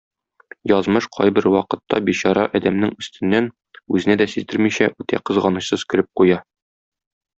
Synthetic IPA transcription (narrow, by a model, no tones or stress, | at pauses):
jɒzmɤʃqʰɒ̰jbɘɾwɒqɤ̆t̪ːɑbiɕɑɾɑʔɒd̪æmnɘŋɵ̆st̪ɘ̆nːæn | ʉzɘ̆næd̪æsizd̪ɘɾmiɕæʔʉt̪æ̰qɤ̆zʁɑnɤ̆ɕsɤzkɘ̆ɾɘp̚qujɑ